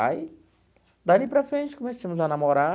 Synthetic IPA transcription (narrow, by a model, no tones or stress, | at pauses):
aj | d̪alipɾɐfɾẽnt͡ʃɪ̥kõmesɐ̃mʊzɐnamoɾa